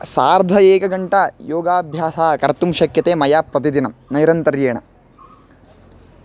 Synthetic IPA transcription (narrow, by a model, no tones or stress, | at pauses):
saːɾd̪ʱɐeːkɐɡɐɳʈɐjoːɡaːbʱjaːsaːkɐɾt̪umʃɐkjɐt̪eːmɐjaːpɾɐt̪id̪inɐmnɐjɾɐnt̪ɐɾjeːɳɐ̰